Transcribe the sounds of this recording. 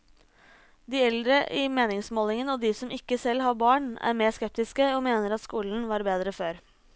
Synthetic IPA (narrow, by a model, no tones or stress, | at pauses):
d̪iːɛld̪ɾəʔɪmeːnɪŋsmoːlɪŋənoːd̪iːsɔmʔɪkːəsɛlːhɑɾbɑːɳæ̰ːɾmeːskɛp̚t̪ɪskəoːmeːnəɾɑt̪skuːln̩ʋɑːɾbeːd̪ɾəføːɾ